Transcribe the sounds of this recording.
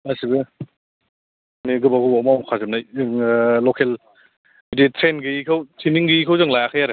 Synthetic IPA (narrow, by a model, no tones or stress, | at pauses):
asibɯ | niɡɯbaɡɯbamamkʰazɯm̚najɯŋlɔkʰel | bidetʰɾenɡɯikʰɯwtʰiniŋɡɯikʰɯwzɯŋlajakʰajaɾe